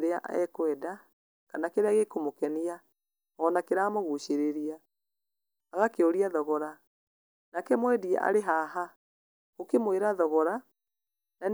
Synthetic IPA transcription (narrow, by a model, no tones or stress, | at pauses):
ɾeaʔɛ̰kwɛda | kanakeɾeaɣekomokɛnia | ɔːnakeɾaːmoɣuʃeɾeɾia | ɣakeoɾiaðɔɣɔɾa | nakɛmwɛdiɛ̰ʔa̰ɾeɦaɦa | ɣokemweɾaðɔɣɔɾa | nan